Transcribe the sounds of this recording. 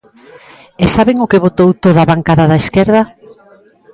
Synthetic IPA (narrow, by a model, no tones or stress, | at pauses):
esaβɪŋʊkɪβot̪owt̪oðaβaŋkaðaðaeskɛɾðɐ